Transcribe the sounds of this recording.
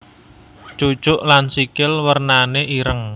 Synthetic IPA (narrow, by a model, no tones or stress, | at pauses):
t͡ʃu̥ʒ̥ʊʔlansikɪlwərnaneʔiɾəŋ